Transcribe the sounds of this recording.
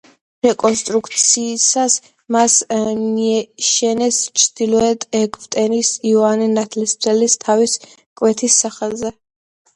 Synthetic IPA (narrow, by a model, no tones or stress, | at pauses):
ɾɛkʼɔnst̪ʼɾukʰt̪sʰiːsas | masmiɛʃɛnɛst͡ʃʰd̪̥ilɔɛt̪ʼɛɡʰvt̪ʼɛnisiɔaninat̪ʰlisɾɛlist̪ʰavis | kʼwɛt̪ʰisːaχɛlˠzɛ